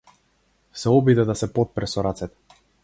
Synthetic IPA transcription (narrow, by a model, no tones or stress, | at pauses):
sɛɔbid̪ɛd̪asɛpɔt̪̚pɾɛsɔɾat̪sɛt̪ɛ̥